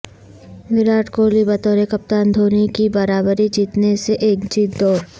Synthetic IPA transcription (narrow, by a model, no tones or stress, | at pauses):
ʋɪɾaːʈkoːlibɐt̪ɔːɾekɐp̚t̪aːnd̪ʱoːnikibɐɾaːbəɾid͡ʒiːt̪neseʔeːkd͡ʒiːt̪d̪oː